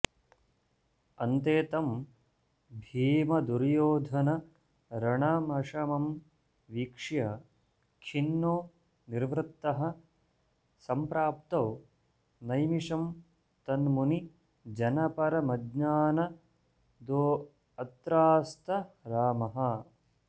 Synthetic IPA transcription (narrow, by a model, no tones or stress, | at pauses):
ɐnt̪eːt̪ɐm | bʱiːmɐd̪uɾjoːd̪ʱɐnɐ | ɾɐɳɐmɐʂɐmɐm | ʋiːkʂjɐ | kʰinːoː | niɾʋɾɪt̪ːɐɦɐ̆ | sɐmpɾaːpt̪ɐw | nɐjmiʂɐm | t̪ɐnmuni | d͡ʒɐnɐpɐɾɐmɐd̪ɲaːnɐ | d̪oː | ɐt̪ɾaːst̪ɐɾaːmɐɦɐ